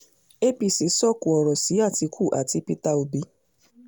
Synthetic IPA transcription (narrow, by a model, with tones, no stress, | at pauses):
e˦pi˨si˨˦sɔ˦˨ku˨ɔ˨ɾɔ˨si˨˦a˦˨ti˧kʰu˦˨ʔa˨ti˧pi˦ta˦o˧bi˨˦